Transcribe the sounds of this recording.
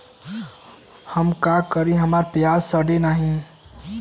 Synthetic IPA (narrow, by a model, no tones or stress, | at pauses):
hɐmkaːkəɾiɦɐmaːɾpɾɐjaːsəɽenaːɦĩ